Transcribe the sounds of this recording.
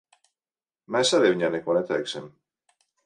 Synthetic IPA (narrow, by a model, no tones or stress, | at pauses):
masaðeβiɲanekwanet̪aeksem